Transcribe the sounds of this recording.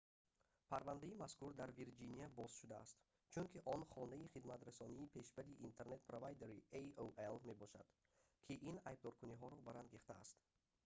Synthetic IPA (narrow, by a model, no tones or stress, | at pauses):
pʰaɾvand̪aimaskuɾd̪aɾviɾd͡ʒiniabɔz̥ʃud̪a̰ːst̪ | t͡ʃʰunkʰiʔɔnχɔnaiχid̪mat̪ɾasɔniːpʰe̞ʃbad̪iʔːnt̪ʰeɾne̞t̪̚pɾovajd̪eɾieoelme̞bɔʃa̰d̪̥ | kʰiʔinajb̚d̪ɔɾkuniɦɔɾɔbaɾanɡiχt̪a̰ːst̪